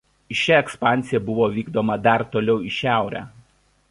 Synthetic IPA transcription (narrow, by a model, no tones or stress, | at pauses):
ɪʃʲɛɛkspɑˑnʲsʲɪjɛbʊʋoːʋʲiːɡd̪oːmɐd̪ɐɾt̪oːlʲɛʊɪʃʲæˑʊɾʲæ̰ː